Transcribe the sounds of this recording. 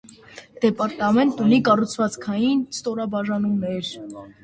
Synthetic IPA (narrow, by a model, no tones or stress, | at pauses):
d̪̥ɛpɑɾt̪ɑmɛnt̪unikɑrut͡sʰvɑt͡skʰɑjinst̪ɔɾɑbɑʒɑnumnɛɾ